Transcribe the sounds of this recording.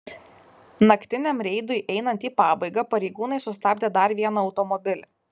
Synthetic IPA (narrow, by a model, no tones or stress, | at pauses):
nɐkt̪ʲɪnʲɛmɾʲɛɪd̪ʊɪʔɛɪnɐnt̪ʲiːpɑːbɐɪɡɐpɐɾʲɛɪɡuːnɐɪsʊsʲt̪ɑːbʲd̪ʲeːd̪ɐɾʋʲiɛnɐɒʊt̪ɔmɔbʲɪlʲ